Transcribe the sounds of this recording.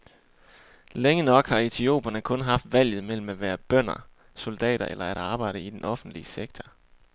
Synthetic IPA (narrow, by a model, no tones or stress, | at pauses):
leŋənɒ̽ɡ̥hɑ̈e̝t͡sʰio̝̰ːb̥ɐnəkʰɔ̽nɦɑ̈fd̥ʋæl̰jð̞̩ˠimel̰m̩æʋæːɐb̥øn̰ɐ | so̝ld̥ɛ̰ːɾɐʔelʔɐæɾ̥ɑ̈ːb̥ɑ̈ɪ̰ɾ̥əid̥enʔɒ̽fn̩d̥liəseɡ̥̚t͡sʰɒ̥